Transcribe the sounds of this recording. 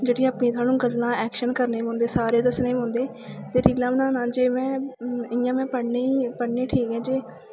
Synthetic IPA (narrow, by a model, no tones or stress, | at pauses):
d͡ʒeːɽiaːpnẽːt̪ʰʊwaːnũːɡəlːãːɛːkʃənkəɾneːɦõːnd̪eːsaːɾeːd̪əsneːmɔ̃ːnd̪eː | t̪eːɾiːlãːmənãːnãːd͡ʒeːmɛ̃ːɪjãːmɛ̃ːpəɽneːiːpəɽneːʈʰiːkɛ̃ːd͡ʒeː